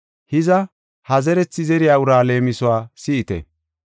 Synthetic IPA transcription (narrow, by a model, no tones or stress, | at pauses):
hɪzɐ | hɐzɛɾɛt͡sːɪzɛɾɪjaːʊɾaːle̞ːmɪsɔwaːsɪʔːt̪ɛ̰